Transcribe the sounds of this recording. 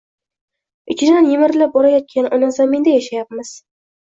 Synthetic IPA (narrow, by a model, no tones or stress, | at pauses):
ɪt͡ʃʰɪnanjɪmɪɾlap̚bɒɾajɒt̪̚kʲʰanʔʊnazamːend̪ajaʃajapmɪz̥